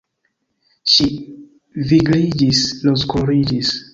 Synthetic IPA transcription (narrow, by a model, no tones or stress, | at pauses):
ʃi | viɡɾid͡ʒislozkoɾid͡ʒis